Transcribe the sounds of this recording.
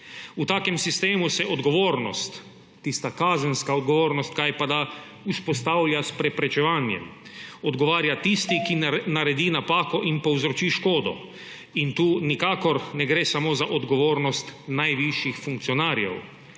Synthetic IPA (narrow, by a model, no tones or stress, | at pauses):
ut̪aːkɛmsist̪eːmusɛʔɔd̪ɡɔʋoːɾnɔst̪ː | ist̪akaːzənskaɔd̪ɡɔʋoːɾnɔst̪̚kajpad̪a | uspɔst̪awlʲjaspɾɛpɾɛt͡ʃɛʋaːnjɛ̰mɔd̪ɡɔʋaːɾjat̪ist̪ikinaɾɛd̪iːnapaːkɔʔinpɔwzɾɔt͡ʃiːʃkoːd̪ɔ̰ | int̪uːnikaːkɔɾnɛɡɾeːsamozaʔɔd̪ɡɔʋoːɾnɔst̪najʋiʃjixfuŋkt̪siɔnaːɾjɛ̰w